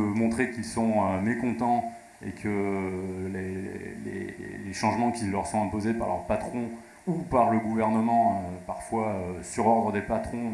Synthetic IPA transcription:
mɔ̃t̪χekʲilsɔ̃ømekɔ̃t̪ɑ̃ | ḛkʰə | leḛlḛleʃɑ̃ʒmɑ̃kʲilːœʁsɔ̃ɛ̃pozepaʁlœ̰ʁpat̪χɔ̃ | upaʁləɡuvɛʁnəmɑ̃paʁfwaøsyʁɔʁd̪ʁəd̪epat̪χɔ̃

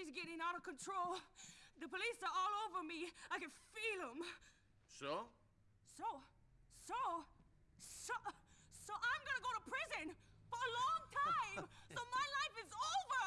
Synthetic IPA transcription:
izɡɛɾɪ̃ŋaʊɾʌv̥kɨ̃ntʰɹ̥oʊlˠðɨpəlisə˞ɔlˠoʊvə˞miaɪkɨ̃nfilˠɪ̃m | soʊ | soʊ | soʊ | sosoʊʔãɪ̃mɡʌnəɡoʊɾəpʰɹ̥ɪzɨ̃nfə˞əlɔ̃ŋtʰãɪ̃msoʊmaɪlaɪfɨzoʊvə˞

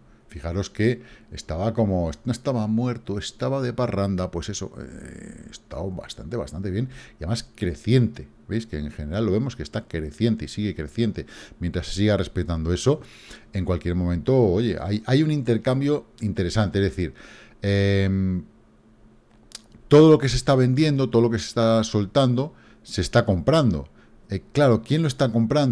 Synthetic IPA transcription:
fixaɾo̞ske̞ːst̪aβako̞mo̞esnoest̪aβamwe̞ɾt̪oe̞st̪aβaðeparand̪apwe̞se̞so̞̰ḛḛst̪a̰wβa̰st̪ant̪e̞βa̰st̪ant̪eβje̞niaðemaskɾe̞θje̞nt̪e̞ | βejskeːŋxene̞ɾalːo̞βe̞mo̞ske̞st̪akɾe̞θje̞nt̪eisiɣe̞kɾe̞θje̞nt̪e̞mjẽnt̪ɾase̥siɣare̞spe̞t̪and̪oe̞so̞ | eŋkwalkje̞ɾmomẽnt̪o̞oʝe̞̰ʔa̰jajunĩnt̪e̞ɾkambjo̞int̪e̞ɾe̞sant̪eezðe̞θiɾem | t̪o̞ð̞o̞lo̞ke̞s̬e̞st̪aβ̞e̞nd̪je̞nd̪ot̪oð̞lo̞kese̥st̪aso̞lt̪and̪o̞ | se̞st̪ako̞mpɾand̪o̞̰ | eklaɾo̞kje̞nlo̞e̞st̪ako̞mpɾan

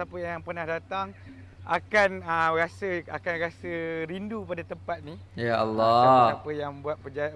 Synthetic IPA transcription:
apəjaŋjaŋpərnahdat̪aŋ | a̰kanəɾasəa̰kanɾasəɾindupadat̪əmpat̪̚nijaʔalːɔapəjaŋbuat̪̚pəd͡ʒa

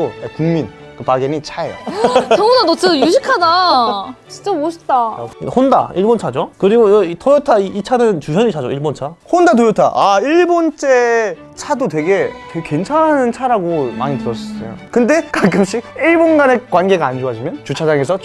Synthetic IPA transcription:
oekuŋmin | kɯpaɡenit͡ɕʰaḛjo̰ʌbunanot͡ɕ͈ʰʌjuɕʰikʰada | t͡ɕi̥nt͡ɕ͈ʌboɕʰi̥p̚t͈a̰honda̰iɭbont͡ɕʰad͡ʑokɯɾiɡotʌjʌtʰaiːt͡ɕʰanɯnt͡ɕusʰjʌɲit͡ɕʰad͡ʑoiɭbont͡ɕʰahondat̬ojʌtʰa̰ʔaiɭbont͡ɕ͈e | t͡ɕʰadot̬we̞ɡe̞teɡke̞nt͡ɕʰanɦanɯnt͡ɕʰaɾaɡoma̰ɲitɯɾʌs͈ʌs͈ʌ̰jo̰kɯnde̞kak͈ɯmɕ͈ik̚iɭbonɡane̞kwanɡe̞ɡaːnd͡ʑoɦad͡ʑimjʌnt͡ɕut͡ɕʰad͡ʑaŋesʰʌ

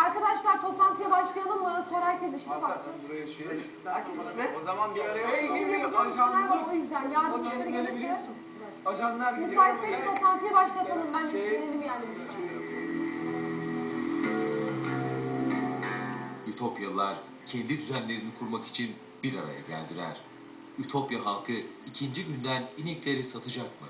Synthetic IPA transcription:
aɾkad̪aʃlˠaɾt̪ʰo̞plˠant̪ʰɯjabaʃlˠajalˠɯmbanasoɾajcʲʰɛd̪iʃfaɯuɾjei | akʰazʃɛozamanbiled̪ʲiizad͡ʒanlʲæɾaojyzd̪ænjaːd̪mʃeneɡeebilʲin | ad͡ʒalˠaɾmisaːlʲiseit̪ʰo̞p̪lˠant̪ʰɯjabaʃlˠat̪ʰalˠɯmbænd͡ʒsinlʲːeɾimjaːnibiz | yt̪ʰo̞pjalˠaɾ | cʰɛnd̪id̪yzænlʲe̞ɾinikʰuɾmaki̥t͡ʃʰin | b̥iɾaɾa̰ja̰ɟæ̰lʲd̪ilʲæ̰ɾ̥ | yt̪ʰo̞pjaɦalˠkʰɯicʰind͡ʒiɟynd̪æniniclʲe̞ɾisat̪ʰɯd͡ʒakmɯ̰

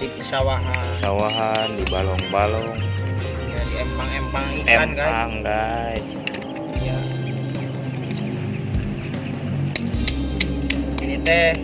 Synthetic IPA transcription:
dipəsawaɦaəsawaɦandibalɔŋbalɔŋ | adiɛmpaŋɛmpaŋikɛampɡaaŋɡais | ja | init̪ɛ

